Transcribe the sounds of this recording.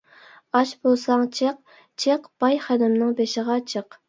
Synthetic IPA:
ɑʃbolˠsɑŋt͡ʃʰeq̚ | t͡ʃʰeqb̥ɑjχæd̪ɪmnɨŋbeʃɪʁɑt͡ʃʰəq

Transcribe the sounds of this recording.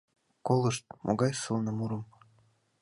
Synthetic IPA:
kolˠɤʃt̪̚mʔo̰ɡɑjsɨlˠnɤ̆muɾɤ̆m

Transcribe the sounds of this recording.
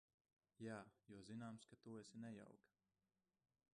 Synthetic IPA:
jaːjuɔzinaːmskat̪uɛsʲinɛja̰wk

